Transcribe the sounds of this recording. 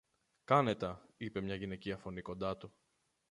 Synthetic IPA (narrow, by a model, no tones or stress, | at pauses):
kɐne̞t̪ɐipemɲɐʝine̞ciɐfo̞niko̞nd̪ɐt̪u